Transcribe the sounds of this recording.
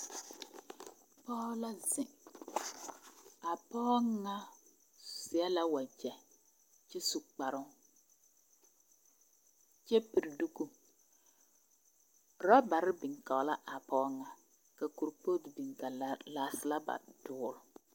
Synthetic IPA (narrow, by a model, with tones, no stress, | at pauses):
pɔ˦la˦zɪ˨ŋ | a˨pɔ˦ŋːa˦ | sɪ˨a˦la˦wa˨d͡ʒɛ˨ | t͡ʃɪ˦su˨k͡pa˨ɾʊ˦ŋ˦ | t͡ʃɛ˦pi˨ɾdu˦ɡu˦ | ɾa˦ba˨ɾɪ˦bɪ˨ŋka˨˦la˦ʔa˨pɔ˦ŋa˨ | ka˨ku˨ɾpo˦tbi˨ŋka˨laː˨sɪ˨la˦ba̰˨d̥ʊː˨˦ɾʊ˨